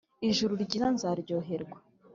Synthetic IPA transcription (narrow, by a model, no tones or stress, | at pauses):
iʒuɾuɾɟizanzaɾɟo̞ːɦe̞ɾɡwḁ